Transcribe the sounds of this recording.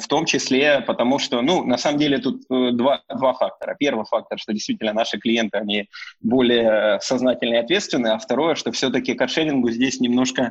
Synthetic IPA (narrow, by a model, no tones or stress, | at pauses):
ft̪o̞mt͡ɕɪsʲlʲe̞pət̪ɐmuʂt̪o̞nunɐsaməmdʲelʲɪt̪ut̪əd̪vad̪vafak̚t̪əɾə̰pʲe̞rvɨfak̚t̪əɾəʂt̪o̞dʲɪjst̪vʲitʲɪlʲnənaʂɨklʲɪje̞nt̪ɨɐnʲibo̞lʲɪjəsɐznatʲɪlʲnəɪɐt̪vʲe̞t̪st̪vʲɪnːɨɐft̪ɐɾo̞jəʂt̪o̞fsʲot̪əkʲɪkɐʂɛɾʲɪnɡʊzʲdʲesʲnʲɪmno̞ʂkə